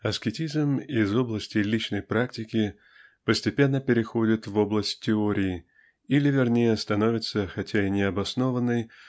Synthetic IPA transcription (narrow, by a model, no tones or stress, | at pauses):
ɐskʲɪtʲizmɪzo̞blˠəsʲtʲɪlʲit͡ɕnəjpɾaktʲɪkʲɪ | pəsʲtʲɪpʲe̞nːəpʲɪɾʲɪxo̞dʲɪt̪vo̞blˠəsʲtʲtʲːɪoɾʲɪɪ | ilʲɪvʲɪrnʲejəst̪ɐno̞vʲɪt̪səxɐtʲaɪnʲɪɐbɐsno̞vənːɨj